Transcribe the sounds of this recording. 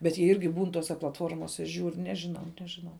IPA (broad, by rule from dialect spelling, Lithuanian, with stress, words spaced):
bʲɛt jiɛ ˈɪrʲɡʲɪ ˈbuːn ˈtoːsʲɛ plˠɐtˈfoːrmoːsʲɛ ˈʒʲuːr ˈnʲæːʒʲɪˌnɐʊ ˈnʲæːʒʲɪˌnɐʊ